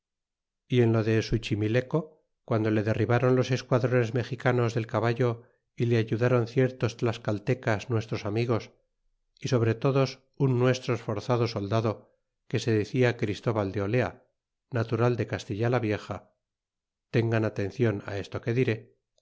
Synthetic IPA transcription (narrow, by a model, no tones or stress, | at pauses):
ie̞nlo̞ðesut͡ʃimile̞ko̞ | kwand̪o̞le̞ðe̞riβaɾo̞nlo̞se̞skwaðɾo̞ne̞zme̞xikano̞zðe̞lkaβaʝo̞ | ile̞aʝuðaɾo̞nθje̞ɾt̪o̞st̪laskalt̪e̞kaznwe̞st̪ɾo̞samiɣ̞o̞s | iso̞β̞ɾe̞t̪o̞ðo̞s | unːwe̞st̪ɾoesfo̞ɾθaðo̞so̞ld̪aðo̞ | ke̞se̞ðeθiakɾist̪o̞βald̪eo̞le̞a̰ | nat̪uɾald̪e̞kast̪iʎalaβje̞xa | t̪e̞ŋɡanat̪ẽ̞nθjo̞na̰e̞st̪o̞ke̞ðiɾe̞